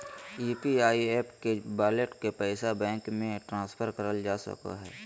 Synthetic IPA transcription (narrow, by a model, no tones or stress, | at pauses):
iːpiaːieːpkebaːleʈkepɛːsabɛ̃ːŋkmẽʈɾãːspʰəɾkəɾəld͡ʒaːsə̰ka̰ɦɛ̰ː